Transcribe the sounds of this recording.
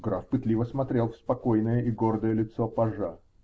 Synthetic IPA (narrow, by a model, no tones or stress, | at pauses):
ɡɾafpɨt̪lʲivəsmɐt̪ɾʲe̞lˠfspɐkojnəjəʔɪɡord̪əjəlʲɪt̪sopɐʐa